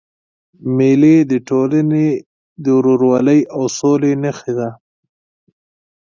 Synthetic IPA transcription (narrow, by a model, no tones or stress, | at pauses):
meled̪əʈolane | d̪əɾoɾwɑləjawsolenəxed̪a